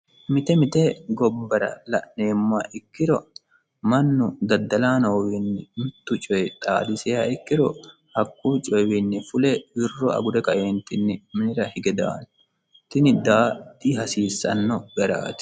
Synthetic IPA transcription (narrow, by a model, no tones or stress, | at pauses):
mɪt̪ɛmɪt̪ɛɡɔbːɐɾɐ̰lɐ̰ʔneːmːʊaʔɪkːɪɾɔ | mɐnːʊd̪ɐd̪ːɐlaːnoːwinːɪmɪt̪ːʊt͡ʃʼɔjɛt̪ʼaːd̪ɪsɛjaːɪkːɪɾɔ̰ | hɐkʼːuːt͡ʃʼɔjwinːɪfʊlɛwɪrːɔɐ̰ɡʊd̪ɛkɐʔeːnt̪ɪnːɪmɪnɪɾɐhɪɡɛd̪a̰ːn | t̪ɪnɪd̪aːd̪iɦɐsiːsːɐ̰nːɔɡɐɾa̰ːt̪ɪ̥